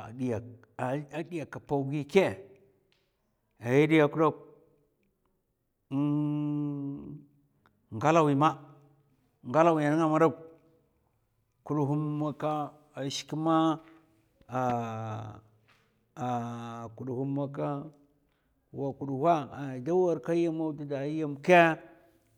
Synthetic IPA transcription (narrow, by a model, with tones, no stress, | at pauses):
di˨ja˨ | a˦di˦ja˨ka˨pa˦ɡi˦ke˦ | a˨ji˦di˦ja˨ku˦do˦k̚ | ŋɡa˦la˦˨wi˨ma˦ | ŋɡa˦la˦˨wi˨a˨ni˦a˦ma˨˦da˦˨ | ku˨du˨ɦu˦mːa˦ka˦ | a˨ʃi̥˨ki˦ma˦ | a˨ | ku˨ɗhu˦mːa˦ka˦ | wa˨ku˨du˨ha˦a˨da˦wa˦ɾka˦ja˦ma˦da˦da˨i˦ja˦mke˦